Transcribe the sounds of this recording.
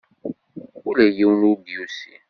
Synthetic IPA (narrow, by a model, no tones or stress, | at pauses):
ulejewnubiusi